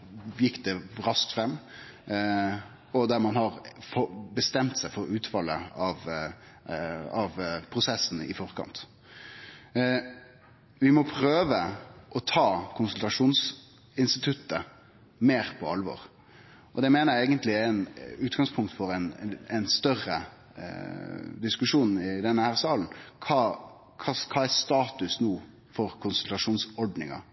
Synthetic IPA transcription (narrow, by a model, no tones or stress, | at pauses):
jɪkːd̪ɛɾɑskt̪fɾɛmː | ɔd̪æɾmɑnɦɑɾfɔbəst̪ɛmt̪sæɪfɔɾʉːt̪fɑlːə̰ɑʋ | ɑʋpʰɾʊsɛsːn̩ɪ̰fɔɾkʰɑ̰nt̪ | ʋɪmɔpʰɾøːʋəʔɔt̪ʰɑːkʰʊnsʉlt̪ɑʂuːns | ɪnst̪ɪt̪ʰʉt̪ːə | meːɾpʰɔɑlʋɔ̰ːɾ | ʔɔd̪ɛmeːnəjɛɪɡənt̪lɪɛɪnʉːt̪ɡɑŋspʰʊŋkt̪fɔɾɛnɛnst̪œrə̰ | d̪ɪskʉʂuːnɪd̪ɛnːəhæːɾsɑːln̩kʰɑː | kʰɑːkʰɑːæɾst̪ɑːt̪ʉsnuː | fɔɾkʰʊnsʉlt̪ɑʂuːnsɔɖnɪ̰ŋɑ̰